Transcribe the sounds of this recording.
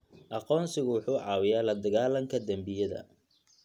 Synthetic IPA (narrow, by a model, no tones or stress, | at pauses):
ʔɑqɔːnsɪɣʊwʊħuːʕɑːwɪjaːlɐd̪ɐɣaːlɐŋkʰɐd̪ɐmbɪjɐðɐ̰